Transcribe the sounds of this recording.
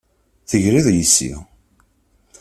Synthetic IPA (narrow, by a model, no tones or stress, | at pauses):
θəʝɾiðˤjisːḭʁ